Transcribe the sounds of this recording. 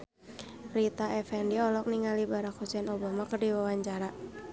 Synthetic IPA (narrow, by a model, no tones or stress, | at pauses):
rit̪aʔɛfɛndiɔlɔk̚niŋalibaɾakhusɛnobamakərdiwawaɲt͡ʃaɾa